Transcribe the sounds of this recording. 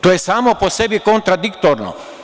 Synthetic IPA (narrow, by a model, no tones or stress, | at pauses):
t̪ojɛsaːmoposɛbikont̪ɾad̪ikt̪oɾno̰